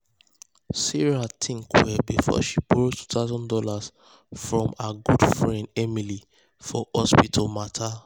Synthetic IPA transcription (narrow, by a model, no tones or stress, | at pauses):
siɹatʰĩŋkwɛbifɔ̰ʃibɹotu̥tʰaʊzɔ̃ndɔlaz | fɹɔ̃maɡudfɹɛ̃ndɛmili | fɔhɔspitʰɔmatʰa